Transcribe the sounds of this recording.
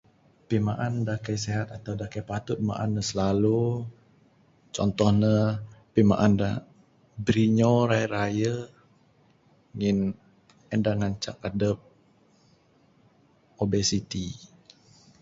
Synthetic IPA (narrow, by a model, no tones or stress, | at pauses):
pimaʔandakajseɦat̪̚at̪awdakajpat̪ʊt̪̚ma̰ʔa̰nːəsəlalu | t͡ʃɔnt̪ɔhnəpima̰ʔanda | bɾiɲoɾajəɾajə | ŋin | ɛndaŋaɲt͡ʃa̰k̚adəp̚ | obesit̪i